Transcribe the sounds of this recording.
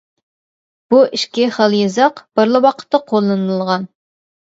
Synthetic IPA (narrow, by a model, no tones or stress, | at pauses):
b̥uʔiʃkʲɪχəlˠjɨzɑqb̥əɾlˠɨwɑqʰə̥t̪ʰːɑqʰolˠːɨnɨlɨlˠʁɑn